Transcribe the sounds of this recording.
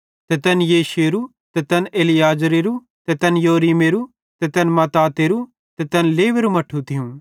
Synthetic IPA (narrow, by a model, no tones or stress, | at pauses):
t̪ɛt̪ɛnjeːʃeɾu | t̪ɛt̪ɛneːlɪjaːd͡ʒɾeɾu | t̪ɛt̪ɛnjoːɾiːmeːɾu | t̪ɛt̪ɛnmɐt̪aːt̪eːɾu | t̪ɛt̪ɛnleːʋeɾumɐʈʰut̪ʰɪjũ